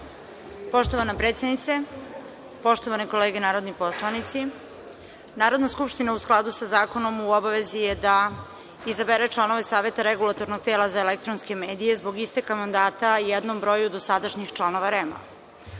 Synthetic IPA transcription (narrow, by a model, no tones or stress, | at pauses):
po̞ʃt̪o̞ʋanapɾet̪sjed̪nit̪se̞ | po̞ʃt̪o̞ʋaneko̞leːɡenaːɾo̞d̪nipo̞slˠanit̪si | naːɾod̪naskupʃt̪inausklˠad̪usazaːko̞no̞muobaʋe̞zijed̪a | izabeɾet͡ʃlˠano̞ʋe̞saːʋe̞t̪aɾeɡulˠat̪o̞ɾnoɡ̚t̪e̞ːlazaelek̚t̪ɾonske̞me̞ːd̪ije̞zbo̞ɡist̪ekamand̪aːt̪ajɛd̪no̞mbɾo̞jud̪o̞sad̪aʃɲixt͡ʃlˠano̞ʋaɾema̰